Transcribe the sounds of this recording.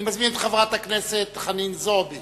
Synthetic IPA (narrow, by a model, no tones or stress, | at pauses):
mazminet̪χavʁat̪akneset̪χaninzobi